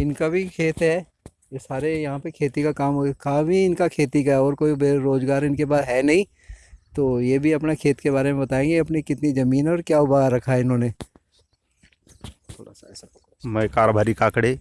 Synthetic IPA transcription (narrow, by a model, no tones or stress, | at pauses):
ɪnkabʱikʰeːt̪ɦɛ | jesaːɾejɐɦãpekʰeːt̪ikakaːmɦokaːbʱiɪnkakʰeːt̪ikaɦɛɔːɾkoːibeɾoːzɡaːɾɪnkebaːd̪ɦɛnɐɦĩ | t̪oːjebʱiɐpnekʰeːt̪keβaːɾemẽbɐt̪aːẽːŋɡeɐpnikɪt̪nizɐmiːnɦɛɔːɾkjaːʊbʱaɾɐkʰaɦɛɪnɦõːne | tt̪ʰoːɽa̰ss | mɐkaːɾobʱaːɾikaːkɽeː